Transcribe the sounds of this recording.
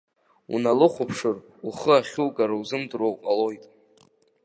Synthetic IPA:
ṵnalɨχʷʊpʰʂɨr | uχəaχʲulɡaɾauzɨmdrowpʼalo̞jtʼ

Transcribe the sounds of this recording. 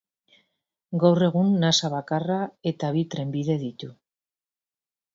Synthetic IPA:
ɡawre̞ɣ̞unːasaβakarae̞t̪aβ̞it̪ɾe̞mbiðe̞ð̞it̪u

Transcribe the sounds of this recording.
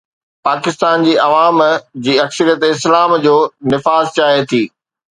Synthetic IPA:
paːkɪst̪aːnd͡ʑiːʔɐʋaːmd͡ʑiːɐksəɾijət̪ɪslaːmd͡ʑoːnɪfaːzt͡ɕaːt̪ʰiː

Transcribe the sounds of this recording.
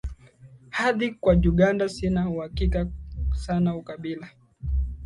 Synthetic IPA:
haðikwaʄuɠandasinauhakikasanaukaɓila

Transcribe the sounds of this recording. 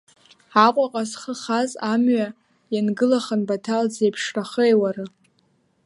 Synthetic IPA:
aqʷʼaqʼasχəχazamɥa | janɡɨlaχənbatʰald͡zejpʰʂraχəjwarɨ

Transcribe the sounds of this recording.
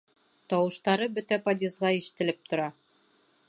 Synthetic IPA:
t̪ɒwɤ̆ʃt̪ɑɾɤbɵt̪æpɑd̪ʲezʁɑiʃɘ̥̆t̪ɘ̆lɘp̚t̪ʰŏɾɑ

